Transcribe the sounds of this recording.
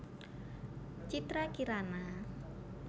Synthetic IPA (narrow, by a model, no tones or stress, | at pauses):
t͡ʃit̪ɾakiɾana